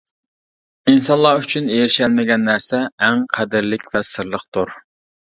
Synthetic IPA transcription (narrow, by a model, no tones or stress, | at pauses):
insɑnlˠɑyt͡ʃʰynejɾɪʃɛlmɪɡʲɛnːæɾsɛːŋqʰæd̪ɪɾlɪkʲvɛsɨɾlˠəχt̪uɾ